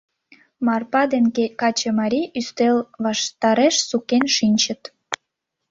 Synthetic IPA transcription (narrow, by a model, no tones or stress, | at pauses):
mɑrpɑd̪enkɑt͡ɕemɑɾʲiyst̪elβɑʃt̪ɑɾeʃsukenʃinʲt͡ɕə̆t̪